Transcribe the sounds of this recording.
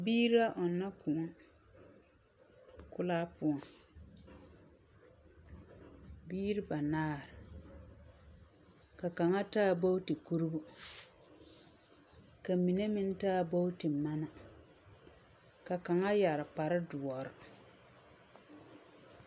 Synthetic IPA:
biː˦ɾi˦a˦ʔɔ˨nːa˦ku˨˦ | kʊ˦laː˦pʊ˦ɔ˨ | biː˦ɾɪ˦ba˨naː˦ɾɪ˨ | ka˨ka˨ŋa˦taː˦˨bo˦wti˨ku˦ɾbʊ˦ | ka˨mi˨ne˦mɪ˦n˦taː˦˨bo˦wtɪ˨ma˦na˨ | ka˨ka˨ŋa˦ja˨ɾɪ˨pa˨ɾɪ˦dʊ˨ɔ˨ɾɪ˨

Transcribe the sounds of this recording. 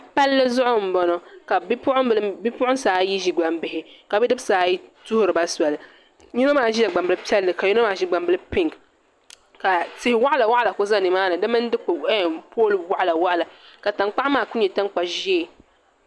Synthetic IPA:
pa˦lːɨ˦zʊ˦ʔʊ˦m̩˨bɔ˦nɔ˨ka˨˦ʊ˦ʔʊ˦lbi˦pʊ˦ʔʊ˦n˦saː˨˦ji˦ʒi˨ɡ͡ba˨mbɪ˨hɪ˦ka˨bɛ˦dɨ˦bsaː˨˦ji˦tʊ˦hʊ˦ɾɨ˨ba˦swa˨lɨ˨ | ɲi˦no˦maː˦ʒi˦ja˨ɡ͡ba˨mbɨ˦lpi˦ɛ˦lːɨ˨ka˨ju˦no˦maː˦˨ʒi˦ɡ͡ba˨mbɨ˦lɨ˦pɪ˦ŋk | ka˨tɪ˦hɪ˨wa˦ʔla˨wa˦ʔa˨la˨ko˦za˦˨nɨ˨maː˦nɨ˨dɨ˦mɨ˦n˦dɨ˦k͡ppoː˦lɨ˨wa˦ʔla˨wa˦ʔa˨la˨ka˨ta˨ŋk͡pa˦ʔmaː˦˨ku˦ɲɛ˨ta˦ŋk͡pa˨ʒi˦˨

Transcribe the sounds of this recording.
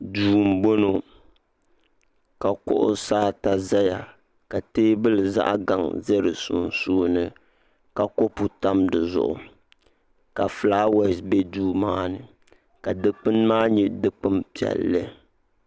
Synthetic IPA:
duː˨˦m̩˨bo˦no˨ | ka˨kʊ̰˦ʔʊ̰˦saː˦ta˨za˦ja˨ | ka˨teː˦bɨ˦lɨ˨za̰˦ʔɡa˨ŋzɛ˦ɾɨ˨sʊ̰˨nsuː˦nɨ˦ | ka˨ko˦pu˨ta˦mdɨ˨zʊ̰˨ʔʊ̰˨ | ka˨flaː˦wɛ˦˨sbɛ˦duː˦maː˦nɨ˨ | ka˨dɨ˦k͡pɨ˦nmaː˦ɲɛ˦dɨ˦k͡pɨ˦mpi˨ɛ̰˨lːɨ˦

